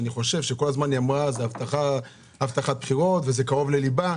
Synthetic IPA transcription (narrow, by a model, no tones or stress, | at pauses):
aniχo̞ʃe̞vʃe̞ko̞lazmanjamʁazeavt̪aχa | avt̪aχat̪̚pχiʁo̞t̪veze̞kaʁo̞vleliba